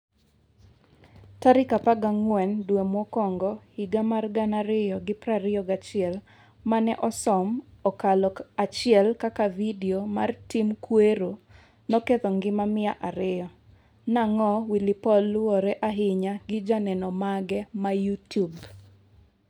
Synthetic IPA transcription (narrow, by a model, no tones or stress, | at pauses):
taɾɪkapaɡaŋwɛndwemwɔkɔŋɡɔhiɡamarɡanaɾɪjɔɡɪpɾaɾɪɔɡat͡ʃɪɛl | manɛʔɔsɔmɔkalɔkat͡ʃɪɛlkakavidiomartimkweɾo | nɔket̪ɔŋɡɪmamɪaʔaɾɪɔ | naŋɔwilɪpɔloɾɛʔaɦɪɲaɡɪd͡ʒanɛnɔmaɡɛmajutub